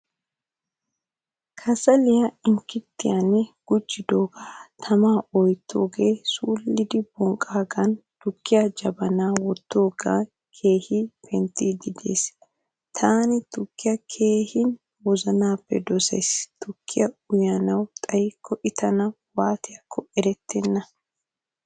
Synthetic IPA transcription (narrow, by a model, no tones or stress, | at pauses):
kʰɐsɐlɪjɐɪŋkːɪt̪ːɪjɐnɡ̥ʊd͡ʒːɪd̪oːɡaːt̪ʰɐmaːɔjt̪ʰːo̰ːɡeːsuːlːɪd̪ɪbɔŋkʼːaːɡɐnt̪ʊkːɪjɐd͡ʒɐbɐnaːwɔt̪ːoːɡa̰ː | kʰe̞ːhɪpʰɛnt̪ːid̪ɪd̪ḛːs | t̪ʰaːnɪt̪ʊkːɪjɐkʰe̞ːhɪn | wɔzɐnaːpːɛ̰d̪ɔsḛjst̪ʊkʰːɪjɐʊjanɐwt̪ʼɐjkʰːɔʔɪt̪ɐnɐ | waːt̪ɪjɐkʰːɔɛɾɛt̪ʰːɛnːɐ